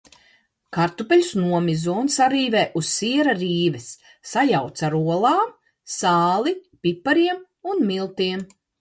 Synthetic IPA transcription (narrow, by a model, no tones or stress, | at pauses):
kaɾt̪upɛlʲusnuɔmizunsaɾiːveːʔussiɛɾaɾiːvɛsː | ajawt̪saɾuɔlˠaːm | saːlˠipʲipːaɾiɛm | unmilˠt̪iɛm